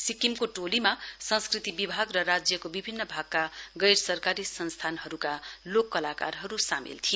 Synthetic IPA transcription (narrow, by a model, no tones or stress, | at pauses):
sikimkoʈolimasʌnskrit̪ibibʱaɡrʌɾad͡zjʌkobibʱinːʌbʱaɡ̚kaɡʌjɾsʌrkaɾisʌnst̪ʰanɦʌɾukalokːʌlaka̰rɦʌɾusamḭlt̪ʰij